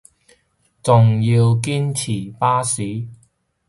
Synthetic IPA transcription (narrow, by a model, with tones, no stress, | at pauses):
t͡sʊ˨ŋji˧wk̬iː˥nt͡sʰiː˨˩paː˥siː˨˥